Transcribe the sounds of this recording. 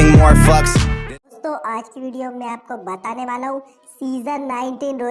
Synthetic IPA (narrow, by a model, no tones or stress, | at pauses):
moːɾfɐksst̪õʔaːd͡ʒkiʋiːɖijomẽaːp̚kobɐt̪aːneʋaːlaɦũ | siːzənnaːɪ̃ɳʈiːnɾoː